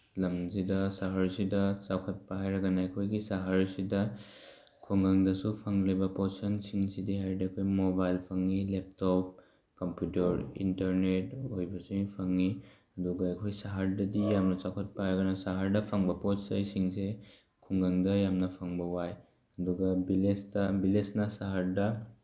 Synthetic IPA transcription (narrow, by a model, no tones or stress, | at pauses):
lɐmzidɐsaɦaɾsidɐt͡ʃawkʰɐt̚paɦajɾɐɡɐnaɐkʰojɡisaɦaɾsidɐ | kʰuŋɡɐŋdɐsupʰɐŋlibɐposɐnsiŋsidiɦajdiɐkʰojmobajlpʰɐŋilep̚tɔp̚ | kɐmpjutɐɾḭntɐɾnetɦojbasiŋpʰaŋi | ɐduɡaekʰojsaɦaɾdɐdijamnat͡ʃakʰɔt̚pajɾaɡanasaɦaɾdɐpʰaŋbaɐpɔt͡ʃsajsiŋse | kʰuŋɡaŋdɐjamnapʰaŋbawaj | ɐduɡabilesdɐbilesnasaɦaɾdɐ